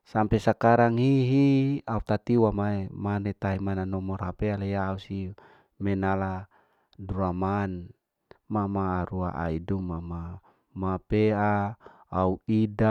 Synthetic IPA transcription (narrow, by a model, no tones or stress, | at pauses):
sampesakaɾaŋhiɦiaut̪at̪iwamaemanet̪aɦimananɔmɔrhapealejaːusi | mɛnala | duaman | mamaːɾua̰ʔa̰idumːama | mapea | auida